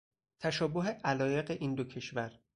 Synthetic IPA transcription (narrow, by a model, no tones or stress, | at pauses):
t̪ʰæʃɒːboɦe̞ʔælɒːje̞ɢeʔiːnd̪ocʰe̞ʃvæɾ